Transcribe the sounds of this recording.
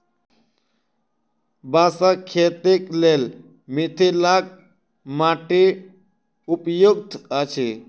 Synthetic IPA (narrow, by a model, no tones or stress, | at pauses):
baːsakʰːet̪iklel | mit̪ʰilak̚ | maʈi | upjuk̚t̪at͡ʃʰe